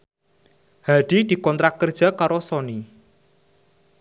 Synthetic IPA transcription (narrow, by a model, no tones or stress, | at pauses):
haɖ̪̥i̤d̪̥i̤kɔnt̪ɾakːərd̥ʒ̥a̤kaɾɔsɔni